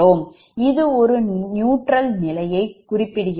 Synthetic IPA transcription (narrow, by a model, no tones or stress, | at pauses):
oːm | ɪðɯɔɾɯnjuːʈrɐlnɪlɐjɐɪkːʊrɪpːɪɽɯɣɪ